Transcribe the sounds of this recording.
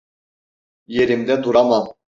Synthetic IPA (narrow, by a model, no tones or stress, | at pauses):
jeɾʲimd̪ɛt̪uɾɑmɑ